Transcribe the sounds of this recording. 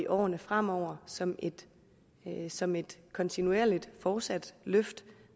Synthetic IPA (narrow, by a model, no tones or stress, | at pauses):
iʔɒ̰ːnəfʁam̰ɒʊ̰ɐsɒ̽mʔe̝d̥ | sɒ̽me̝d̥kʰɒ̽nt͡sʰinueɐ̰lid̥fɒ̥ːsæd̥løfd̥